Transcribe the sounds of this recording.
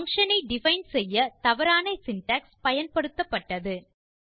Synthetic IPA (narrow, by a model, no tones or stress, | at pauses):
ɐŋʂɐnɐɪɖɪfɐɪnsɛjːɐt̪ɐʋɐɾaːnɐɪsɪnʈɐːkspɐjɐnpɐɽɯt̪ːɐpːɐʈːɐðɯ